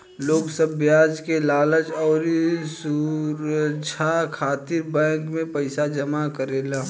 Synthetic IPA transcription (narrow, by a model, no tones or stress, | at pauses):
loːɡsəbːjaːd͡ʒkelaːləd͡ʒɔːɾsuɾət͡ʃʰakʰaːt̪ɪɾbɛ̃ːkmẽpəɪsad͡ʒəmakəɾeːlaː